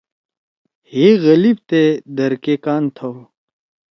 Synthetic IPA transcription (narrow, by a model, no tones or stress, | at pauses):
heɣɐlib̚t̪ed̪ɐɾkekaːnt̪ʰow